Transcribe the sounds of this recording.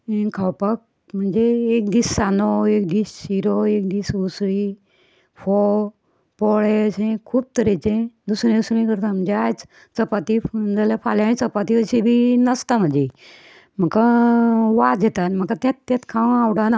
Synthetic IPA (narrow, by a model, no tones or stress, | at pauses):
ĩkʰawpək̚ | m̤ənd͡ʒeːk̚d̪isːanoek̚d̪issiɾoek̚d̪isusɾi | fʰo | pɔɭeəsʰẽkʰuːb̚t̪əɾet͡ʃẽd̪usɾẽd̪usɾẽkəɾt̪am̤ənd͡ʒeajt͡s | t͡səpat̪id͡zəlepʰaljãnĩt͡səpat̪iəsebʱinəst̪am̤ə̃nd͡ʒe | m̤əka | ʋad͡zet̪anm̤əkat̪ẽt̪ːẽt̪kʰaw̃awɽana